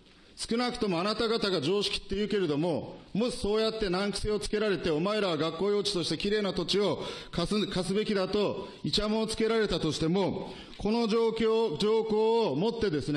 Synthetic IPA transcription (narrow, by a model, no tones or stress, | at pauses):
sɨ̥kɯ̟nakɯ̟̥t̪o̞mo̞anat̪aɡat̪aɡad͡ʑo̞ːɕi̥kʲi̥t̪ːe̞jɯ̟ːke̞ɾe̞d̪o̞mo̞mo̞ɕi̥so̞ːjat̪ːe̞nãŋkɯ̟̥se̞o̞t͡sɨ̥ke̞ɾaɾe̞t̪e̞o̞mae̞ɾaβaɡakːoːjo̞ːt͡ɕi̥t̪o̞ɕi̥t̪e̞kʲiɾe̞ːnat̪o̞t͡ɕio̞kasɨkasɨbe̞kʲid̪at̪o̞ | it͡ɕamoːt͡sɨ̥ke̞ɾaɾe̞t̪at̪o̞ɕi̥t̪e̞mo̞ | kʰo̞no̞okʲod͡ʑo̞ːko̞ːmo̞t̪ːe̞d̪e̞sɨne